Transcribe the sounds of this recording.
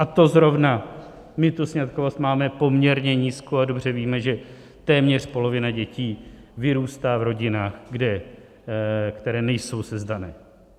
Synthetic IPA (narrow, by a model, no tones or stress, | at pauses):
ʔat̪o̞zɾo̞vna | mɪt̪usɲat̪kovo̞st̪maːmɛpo̞mɲɛɾɲɛɲiːskoado̞br̝ɛviːmɛʒɛ | t̪ɛːmɲɛr̝̥po̞lo̞vɪnaɟɛciːvɪɾuːst̪aːvɾo̞ɟɪnaːxɡdɛ | kt̪ɛɾɛːnɛjso̞wsɛzdanɛː